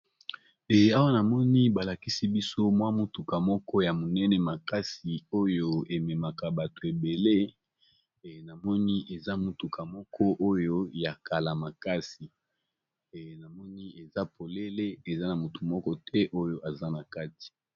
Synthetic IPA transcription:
ɛ˨a˦wa˦na˨mɔ˦ni˦ba˨la˨ki˦si˦bi˦so˦mwa˦mo˦tu˨ka˨mɔ˦kɔ˦ja˨mo˨nɛ˦nɛ˨ma˨ka˦si˨o˦jo˦e˨mɛ˨ma˨ka˨ba˨to˨e˨be˨le˦˨ | na˨mɔ˦ni˦ʔe˨za˦mo˨tu˨kʰa˨mɔ˦kʰɔ˦ʔo˦jo˦ja˨ka˨la˨ma˨ka˦si˨ | na˨mɔ˦ni˦e˨za˦pʰo˨le˦le˦e˨za˦na˨mo˨tu˨mɔ˦kɔ˦tʰɛ˦ʔo˦jo˦ʔa˨za˦na˨ka˦ti̥˨

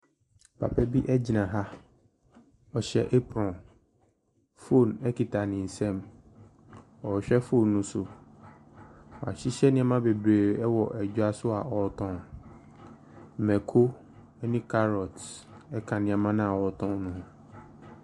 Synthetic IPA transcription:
pʰa̰˨pʰɛ˦bi˦ʔɛ˦d͡ʑi˨nã˨ɦa˦ | ɔ˨ɕɛ̰˨ʔe˦pɾɔ̃˨n | fo˦˨nɛ˦ki˨tʰa˨nɪ̃˨n̩˨sɛ̃˦˨m | ɔ˨ɕᶣɛ˦fo˦˨nːũ˦sʊ˨ | ɔ˨a̰˨ɕi˦ɕɛ˦nɪ̃˦a˦mã˦be˨bɾeː˨ɛ˦wɔ˨ʔɛ˨d͡ʑᶣʊ˦a˦sʊ˦a̰˨ʔɔ˨˦tʰɔ̃˦n | mɛ˨kʰo˦ | nĩ˦kʰa˦ɾɔ˨tɛ˦kʰã˨nɪ̃˦a˨mã˦nã˦a˨wɔ˨tʰɔ̃˦nnʊ̃˨hã˨

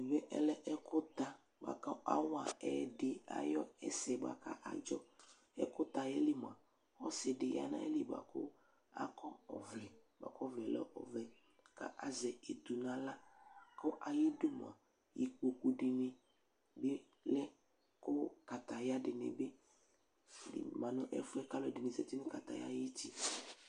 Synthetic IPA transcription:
vɛ˦ʔɛ̰˦lɛ˦ʔɛ˦kʊ˦t̪a˦ | ba̰˨ka˦ʔa˦wa˨ɛ˨dɪ˨a̰˨jɔ˦ɛ˦sɛ˨ba̰˨ka̰˦ʔa˨d͡ʒɔ˦ | ɛ̰˦kʊ˦t̪a˨jɛ˦li˦m˨a˨ | ɔ˦sɪ˨dɪ˨ja̰˦nã̰˦ɛ̰˦li˦ba̰˨kʊ̰˦ | a̰˦kɔ˦ɔ˨vlɛ˨ba̰˨kɔ˦vlɛ˨lɛ̰˦ʔɔ˨vlɛ˨ | ka̰˦ʔa˨zɛ˨e˨t̪u˨nã˨la˦kɔ˦ʔa˨ji˦du˦mʊ˨a˨ | ji˨ko˨ku˨ɖɪ˨nɪ̃˨ | bɪ˦ | lɛ˦ | kʊ˦ka˨t̪a˨ja˦dɪ˨nɪ̰̃˨bɪ˦ | d̰mã˨nʊ̃˦ʔɛ̰˦fʊ˦ɛ˦ka˦lɔ˨dɪ˨nɪ̃˨zɛ˨t̪i˦nʊ̃˦ka˨t̪a̰˨ja̰˦je˦ti˦

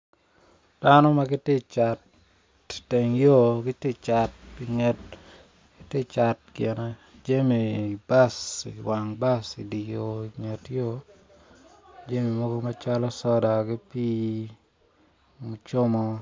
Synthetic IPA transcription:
d̥a˦nɔ˦ma˦ɡɪ˦tɪ˦t͡ʃa˨t | te˨ŋjo˦ɡɪ˦tɪ˦t͡ʃa˨ti˨ŋɛ˦t | kɪ˦tɪ˦t͡ʃa˨t̚ɡe˨na˨d͡ʒe˦mi˨i˨ba˦sḭ˨wa˨ŋba˦si˨di˨jo˨iŋe˨tjo˦ | d͡ʒe˦mi˨mo˦ɡo˦ma˦t͡ʃa˦lɔ˦sɔ˦da˨ɡi˦pi˦ | mu˨t͡ʃo˦mɔ˦

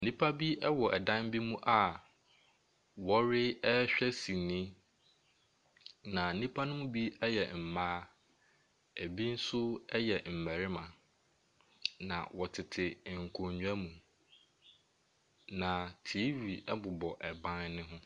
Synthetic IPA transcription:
nĩ˦pʰa˦bi˦ɛ˦wɔ˨ʔɛ˨dã˦m˦bi˦mũ˦ʔa˨ | wɔ˦ɾɪ˦ɛ˦ɕᶣɛ˦sĩ˨nĩ˦ | nã˨n̩˨nĩ˦pʰa˦nʊ̃˦m̃˦bi˦ɛ˦jɛ˨m̩˨maː˦ | æ˨bi˦n̩˦sʊ˦ɛ˦jɛ˨m̩˨mɛ˨ɾɪ˦mã˨ | nã̰˨wɔ˨tʰɪ˨tʰɪ˨ŋ̩˨kʰʊ̃˨ɲũ˨æ˦mũ˨ | nã˨tʰi˨˦vi˨ɛ˦bʊ˨bɔ˨ʔɛ˨bã˦nnɪ̃˦ɦʊ̃˦

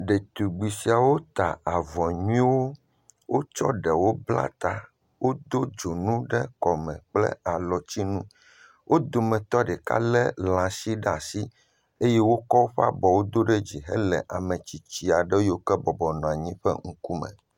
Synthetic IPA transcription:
ɖe˨t̪u˨ɡ͡bi˨si˨a˨wo˦t̪a˨a˨vɔ˨ɲũ˦ĩ˦wo˦ | wo˦t͡ʃɔ̰˦ɖɛ˨wo˦bla̰˦t̪a˨ | wo˦d̪o˦d͡ʒo˨nũ˦ɖɛ˦kɔ˨mɛ̃˨k͡plɛ̰˦a˨lɔ˨t͡ɕi˦nũ˦ | wʔo˦d̪o˨mɛ̃˨t̪ɔ˦ɖɛ˨ka̰˦lɛ˦lã˨si˦ɖa˨si˦ | e˦je˦wo˦kɔ˦wo˦ɸa̰˦bɔ˨wo˦d̪o˦ɖe˦d͡ʑi˨ɦɛ̰˦lɛ˨ʔa˨mẽ˨t͡ɕi˨t͡ɕi˨a˨ɖɛ˦jo˦kɛ˦bɔ˨bɔ˨nɔ̃˨a˨ɲĩ˦ɸɛ̰˦ŋ̩˦ku˦mɛ̰̃˨

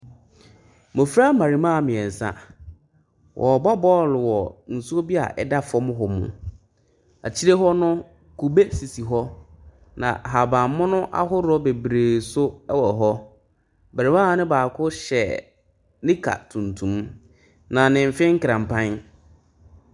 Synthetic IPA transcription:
mʊ̃˨fɾa˦mã˨ɾi˨mã˦˨mɪ̃˨ɛ˨n̩˨sã̰˦ | wʔɔ˨bɔ˦bɔ˦lwɔ˨n̩˨su˦o˦bi˦a̰˨ʔɛ̰˦da˦fɔ˦mʊ̃˦ɦɔ˨mʊ̰̃˦ | a̰˨t͡ɕʰi˦ɾe˦ɦɔ˦nʊ̃˦ | kʰu˨be˦si˨si˨ɦɔ˦ | nã̰˨ɦa˨bã˨m˦mʊ̃˦nʊ̃˦ʔa̰˦ɦʊ˦ɾʊ˦ɔ˦be˨bɾe˨sʊ˦ɛ˦wɔ˨ɦɔ˦ | ba˨ɾi˨mãː˦˨˦nɪ̃˦baː˨kʰʊ˦ɕɛ˨ | nɪ̃˦kʰa̰˨tʰũ˨ntʰũ˨m | nã˨nɪ̃˨m̩˨fɪ̃˦ŋ̩˦kã˨m˨pʰã˦n

